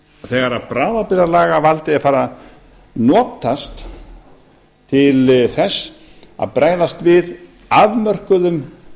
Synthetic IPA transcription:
θɛɣaɾaðpɾaːðapɪɾalaːɣavalt̪ɪafaːɾa | nɔːt̪ast̪ | t̪ʰːɪlθɛsːa̰ðpɾʔaːjlast̪vɪð | aðmœr̥kʏðʏm

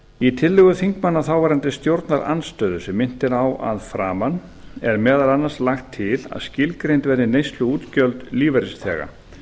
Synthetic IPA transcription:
it̪ʰɪlːɪɣʏθiŋkmanːaθawvaɾant̪ɪst̪jowɾt̪naɾʔa̰nst̪œːðʏsɛmːɪn̥t̪ɪɾawa̰ðfɾaːman | ɛɾmɛːðalanːaɾ̥slaxt̪ʰːɪla̰ðscɪlkɾejnt̪vɛɾðɪnejst̪lʏuːt̪cœlt̪liːvaɾɪst̪ʰɛ̰ːɣa̰

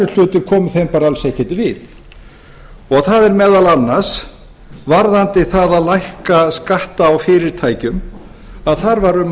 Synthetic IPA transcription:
ɪl̥ʏːt̪ʏ̥kʰɔːmʏθhejmpaɾalsejhcɛt̪ɪvɪθ | ɔɣθaðɛɾmɛːðalanːaɾ̥s | vaɾðant̪ɪθaðaðlajhkaskaht̪aːwfɪːɾɪɾ̥t̪ʰaːjcʏm | aðθaɾvaɾʏm

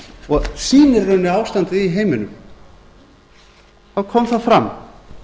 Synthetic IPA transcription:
ɔɣsiːnɪɾːœnɪaːwst̪ant̪ɪiɦejmɪnʏm | θawkʰɔmθaðfɾam

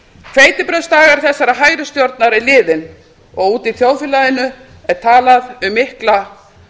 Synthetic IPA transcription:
kʰv̥eːjt̪ɪpɾœðst̪aːɣaɾ̥θɛsːaɾaɦaːjɾʏst̪jɔɾt̪naɾɛɾlɪːðɪn | ɔɣuːt̪iθjoːwfɛlaðɪnːʏ | ɛɾ̥t̪ʰaːlaðʏmɪhkla

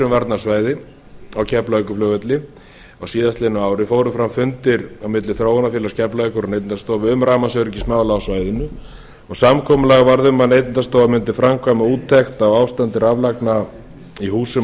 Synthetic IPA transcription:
ʏmvaɾt̪naɾ̥svaːjðɪ | awcʰɛplaœkʏflœːɣvɛt̪lɪ | ɔɣsiːðast̪lɪnːʏaːwɾɪfoːwɾʏfɾamfʏnt̪ɪɾawmɪt̪lɪθɾowanafjɛːlascʰɛplaœkʏɾɔnejt̪nt̪ast̪oːwvʏʏmɾaːmasœɾcɪsmaːwlaɔsvaːjðʏnʏ | ɔɣsamkʰɔːmʏlaɣvaɾðʏmaðnejt̪ɪnt̪ast̪owvamʏnt̪ɪfɾamkʰvajmauːt̪ʰːɛxt̪awawvst̪ant̪ɪɾavlakna | ihuːsʏ

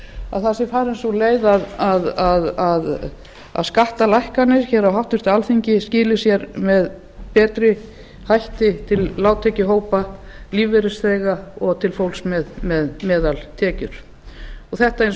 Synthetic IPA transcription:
aðθasɪfaːɾɛnsuleːjðaðaðaðað | a̰ðskaht̪alajhkanːɪsçɛɾawɦaft̪ʏst̪ɪalθiɲcɪscɪːlɪsjɛɾmɛð | pɛːt̪ɾɪ | hajht̪ɪt̪ʰɪlːaːwt̪ʰɛcɪɦoːwpaliːvɛɾɪsθɛːɣaɔɣt̪ʰɪlfowlsmɛðmɛðmɛːðalt̪ʰɛːcʏɾ̥ | ɔɣθɛht̪aejn

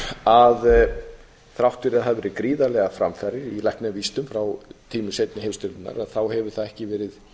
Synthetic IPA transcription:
að | θɾawht̪vɛɾɪðaðθaðvɛːɾɪkɾiːðalɛɣafɾa̰mfaɾɪɾilɛhknɛvist̪ʏmfɾawt̪ʰiːmʏsejt̪nɪhemst̪ʏlɪnːa̰ɾaðθawhɛvʏɾ̥θaðɛhcɪvɛːɾɪð

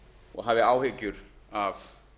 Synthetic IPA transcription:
ɔ̰ɣɦavɪaːwhɪcʏɾ̥av

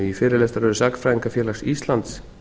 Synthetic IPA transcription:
ifɪːɾɪlɛst̪aɾœɾʏsaknfɾaːjiŋkafjɛːlasist̪lant̪s

